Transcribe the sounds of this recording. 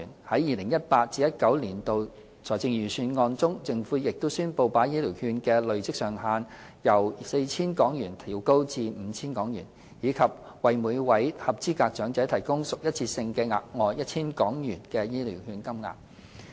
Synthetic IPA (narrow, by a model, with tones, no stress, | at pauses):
nhɐ˨˥jːiː˨˩lɪ˨˩ŋjɐ˥t̚paː˧t̚t͡siː˧jɐ˥t̚kɐ˨˥wliː˨˩nt̪o˨˧w | t͡sʰɔː˨˩jt͡sɪ˧ŋjyː˨˩syː˨˧nŋɔː˧nt͡sʊ˥ŋt͡sɪ˧ŋfuː˨˥jɪ˨k̚t̪o˥wsyː˥npo˧wpaː˨˥jiː˥liː˨˩whyː˧nkɛː˧lɵ˨ɥt͡sɪ˥k̚sœː˨˩ŋɦaː˧n | jɐ˨˩wse˧jt͡sʰiː˥nkɔː˨˥ŋjyː˨˩nt̪ʰiː˨˩wko˥wt͡siː˧m̩ː˨˧t͡sʰiː˥nkɔː˨˥ŋjy̰ː˨˩n | jiː˨˧kʰɐ˨p̚ | wɐ˨jmuː˨˧jwɐ˨˥jhɐ˨p̚t͡siː˥kaː˧k̚t͡ʃœː˨˥ŋt͡sɛ˨˥t̪ʰɐ˨˩jkʊ˥ŋsʊ˨k̚jɐ˥t̚t͡sʰiː˧sɪ˧ŋkɛː˧ŋa̰ː˨˩t̚ŋɔː˨jjɐ˥t̚t͡sʰiː˥nkɔː˨˥ŋjyː˨˩nkɛː˧jiː˥lḭ˨˩whyː˧nkɐ˥mŋa̰ː˨˩k̚